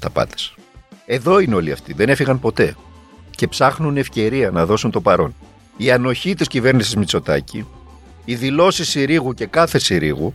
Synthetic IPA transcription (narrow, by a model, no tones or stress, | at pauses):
t̪ɐpɐ̰t̪e̥s | e̞ðo̞ineo̞liɐ̰ft̪iðe̞ne̞fiɣɐmpo̞t̪e̞ | ce̞psɐxnune̞fce̞ɾiɐnɐðo̞sunt̪o̞pɐɾo̞̰n | iɐno̞çit̪iscive̞ɾnisizmit͡so̞t̪ɐ̰ci | iðilo̞sisːiɾiɣuce̞kɐθe̞siɾḭɣṵ